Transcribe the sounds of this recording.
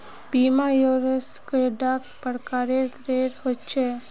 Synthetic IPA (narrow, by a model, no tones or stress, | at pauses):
biːmajoɾəskeɖakpəɽkaːɾeɾeɾhot͡ʃʰe